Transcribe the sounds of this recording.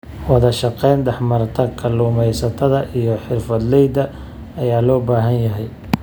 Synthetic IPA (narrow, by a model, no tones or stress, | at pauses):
wɑðɐʃɑqɛjnɖ̪ɛħmɐɾt̪ʰɐkʰɐluːmɛjsɐt̪ʰɐðɐʔijɞħɪrfɐd̪lɛjd̪ɐː | jaːlɔːbaːɦɐnjɐɦɛj